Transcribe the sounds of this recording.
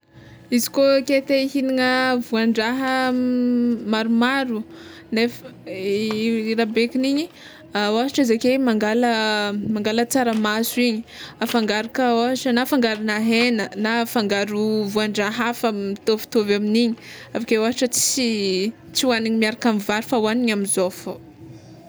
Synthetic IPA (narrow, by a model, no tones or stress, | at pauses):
izi̥koket̪eiɦiniŋəvuaɳɖ͡ʐaɦə | maɾumaɾu | nef | iɾabekiniɲi | awaɦaʈ͡ʂəzakemaŋɡaləmaŋɡalət͡saɾəmasuiɲiafaŋɡaɾakəaɦaʈ͡ʂənafaŋɡaɾinaɦenənafaŋɡaɾuvuaɳɖ͡ʐaɦafəmit̪ovi̥t̪ovaminiɲi̥avakewaɦaʈ͡ʂət͡si | t͡siwaniɲimiaɾakamivaɾifawaniɲamizofo